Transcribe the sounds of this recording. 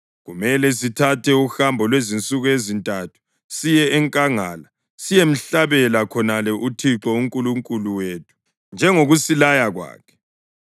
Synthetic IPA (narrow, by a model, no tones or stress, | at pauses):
ɣumɛlɛsitʰatʰɛuxambʱɔlwezint͡sʼuɣuezintʼatʰu̥ | sijɛɛŋkʼaŋaːla | sijem̩ɬaβɛlakʰɔnalɛʔutʰiǁɔuŋkʼuluŋkʼuluweːtʰu̥ | nd͡ʒʱɛŋoɣusilajaɣwa̰ːkʰɛ̥